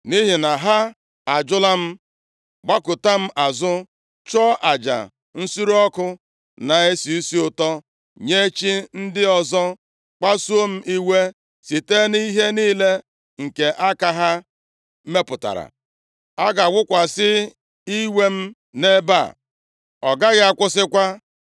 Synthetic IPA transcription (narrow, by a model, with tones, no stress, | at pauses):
ni˦ɦi˨na˨ɦa˦ | a˨d͡ʒʊ˦la˦m̩˦ | ɡ͡ba˦kʊ˨ta˦m̩˦ʔa˨zʊ˦ | t͡ʃɔ˦ʔa˨d͡ʒa̰˨ | n̩˦su˦ɾɔ˦kʊ˦ | na˨e˦si˨i˦si˦ʊ˨tɔ˦ | ɲe˦t͡ʃi˦n̩˦dɪ˦ɔ˨zɔ˦ | k͡pa˦su˦o˦m̩˦ʔi˦we˦ | si˨te˦ni˦ɦe˦niː˦le˦ | ŋ̩˨ke˨ʔa˦ka˨ɦa˦ | me˦pʊ˨ta̰˨ɾa̰˨ | a˦ɡa˨wʊ˦kʷa˨sɪ˦ | i˦we˦m̩˦ | ne˦ba̰˦˨ | ɔ˨ɡa˦ɣɪ˦a˦kʷʊ˦sɪ˦kʷa˦